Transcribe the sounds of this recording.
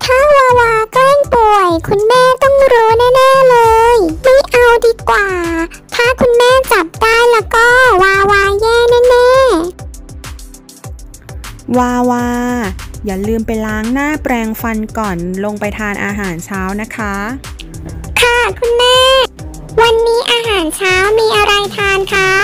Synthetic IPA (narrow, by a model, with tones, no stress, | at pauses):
t̪ʰaː˥˩waː˧waː˧kɔ˥˦˥ŋpu˨˩əjkʰu˧nmɛː˥˩t̪ɔ˥˩ŋɾuː˧˦˥naː˥˩nɛː˥˩lɤː˧jmi˧˥˩ʔa˧wdiː˧kwaː˨˩ | t̪ʰaː˥˩kʰu˧nmɛː˥˩t͡ɕa˨˩p̚daː˥˩jlɛː˦˥wkɔː˥˩waː˧waː˧jɛː˥˩naː˥˩nɛː˥˩˨ | waː˧waː˥˧˦jaː˨˩lɯː˧mpa˧jlaː˦˥ŋnaː˥˩pɾɛː˧ŋfa˧nkɔː˨˩nlo˧ŋpa˧jt̪ʰaː˧nʔaː˧ɦaː˩˦nt͡ɕʰaː˦˥wna˦˥kʰa˦˥ | kʰa˥˩kʰu˧nmɛː˥˩˥ | wa˧nːiː˦˥ʔaː˧ɦaː˨˩˦nt͡ɕʰaː˦˥wmiː˧ʔa˧ɾa˧jt̪ʰaː˧nkʰa˦˥